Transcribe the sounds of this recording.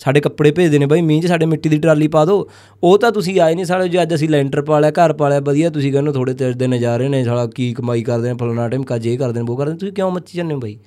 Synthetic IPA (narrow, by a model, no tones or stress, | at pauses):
saːɖeːkəpɽeːpeːd͡ʒd̪eːneːbaːiːmĩːt͡ʃsaːɖeːmɪʈːiːd̪iːʈɾaːliːpaːd̪oː | oːt̪ãːt̪ʊsĩːaːiːnĩːs̬aːɽed͡ʒeːəd͡ʒəs̬ĩːlɛːɳʈəɾpaːlɛːkəɾpaːlɛːbəd̪ijaːt̪ʊsĩːkɛ̃ːnõːt̪ʰoːɽeːt̪ɪɾd̪eːnẽːd͡ʒaːɾeːnẽːsaːɽaːkiːkəmaːiːkəɾd̪eːnẽːpʰəloːnaːʈɛːmkaːd͡ʒeːkəɾd̪eːnẽːoːkəɾd̪eːñːt̪ʊsĩːkjõːmət̪ːt͡ʃiːd͡ʒanːeːoːbaːiː